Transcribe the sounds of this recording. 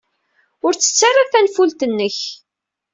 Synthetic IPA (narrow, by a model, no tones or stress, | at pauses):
ʊɾt͡sːə̥t͡sːarˤːaθænfult̪ənːəç